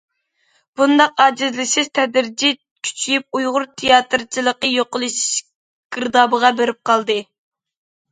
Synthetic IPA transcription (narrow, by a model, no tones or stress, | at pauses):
b̥und̪ɑqɑːd͡ʒɪzlɪsɪz̥t̪ʰɛd̪ɾd͡ʒi | kʲʰy̥t͡ʃʰyjyp̚ujʁʊɾt̪ʰejɑt̪ɨɾt͡ʃʰilˠəqəjoqəlˠɨʃi̥ʃ | ɡ̥ɨɾd̪ɑːbəʁɑbeɾɪp̚qʰɑlˠd̪ɨ